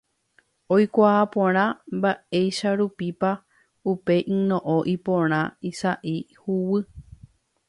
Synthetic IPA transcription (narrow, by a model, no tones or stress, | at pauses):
ojkʷaapõɾ̃ãmbaejʃaɾupipa | upe̞ʔĩnõʔõʔipõɾ̃ãisaʔi | huwɨ